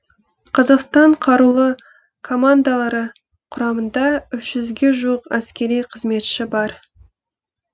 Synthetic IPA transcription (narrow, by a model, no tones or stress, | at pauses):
qʰɑzɑqst̪ɑɴqʰɑɾulˠə | kʰo̞mand̪alˠɑɾə | qʰʊɾɑmənd̪ɑʏʃʒ̥ʏzɡʲe̞ʒuəqæskʲe̞ɾijqʰəzme̞t̪ʃɪbɑɾ